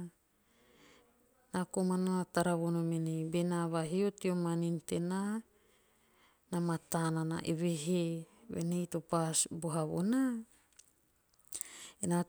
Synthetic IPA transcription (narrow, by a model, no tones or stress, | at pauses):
nakomananataɾaβonomenebenaβaɦiotiomaninte̞na | namatanana̰ʔeβeɦeβḛnejtopasboɦaβo̰na | ena